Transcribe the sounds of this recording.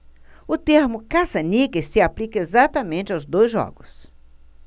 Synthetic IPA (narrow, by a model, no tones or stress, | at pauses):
ʊt̪eɾmʊkasɐnʲikɪssɪaplikɐezat̪ɐmẽnt͡ʃɪawzd̪ojzʒɔ̰ɡʊs